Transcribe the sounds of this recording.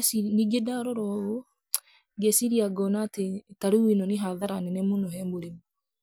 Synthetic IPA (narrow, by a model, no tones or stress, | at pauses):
siniɡedaɾɔɾɔo | ɡesiɾiaɡɔnaːtetaɾuwinɔneɦaðaɾanɛnemonɔɦɛmoɾemu